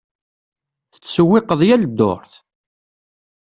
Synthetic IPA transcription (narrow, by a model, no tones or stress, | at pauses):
θə̥t͡sːsəwːɪqəðˤjæld̪ːo̰ɾˤθ